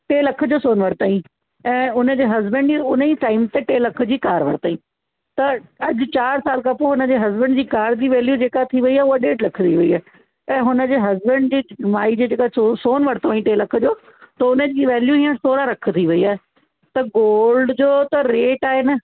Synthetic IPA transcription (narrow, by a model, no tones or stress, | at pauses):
ʈeːlɐkʰd͡ʑoːsoːnʋɐɾt̪aːĩː | ɛ̃ːʊnəd͡ʑeːɦɐzbə̃ɳɖd͡ʑiʊniːʈaːɪmt̪eʈeːlɐk̆ʰd͡ʑiːkaːɾʋɐɾt̪aːĩː | t̪ɐɐd͡ʑʊ̆t͡ɕaːɾsaːlkapoɦʊnə̆d͡ʑeːɦɐzbə̃ɳɖd͡ʑiːkaːɾd͡ʑiːʋɛːljud͡ʑeːkat̪ʰiʋɐiaːeʊaɗeːʈlɐkʰt̪ʰiʋɐiaːɦe | ɛ̃ːɦʊnə̆d͡ʑeːɦɐzbə̃ɳɖd͡ʑiːmaːid͡ʑeːd͡ʑeːkasosoːnʋɐɾt̪oaːĩʈeːlɐk̆ʰd͡ʑoː | t̪ɐʊnəd͡ʑiːʋɛːljuɦiːə̃soːɾaɾɐkʰt̪ʰiʋɐiaːɦe | t̪ɐɡoːlɖd͡ʑoːt̪ɐɾeːʈaːɦeːnɐ